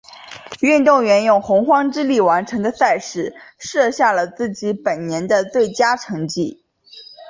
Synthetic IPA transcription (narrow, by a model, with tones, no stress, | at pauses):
y˥˧nt̪ʊ˥˩ŋɥɛ˧˥njʊ˥˩ŋxʊ˧˥ŋxwɑ˥ŋʈ͡ʂɻ̩˥li˥˩wa˧˥nʈ͡ʂʰɤ˧˥ŋd̪ə˧sa˥˧ɪʂɻ̩˥˩ʂɤ˥˧ɕja˥˩lə˩t͡sɹ̩˥˩t͡ɕi˧˥pə˨˩nnjɛ˧˥nd̪ə˧t̪we˥˩ɪt͡ɕja˥ʈ͡ʂʰɤ˧˥ŋt͡ɕi˥˩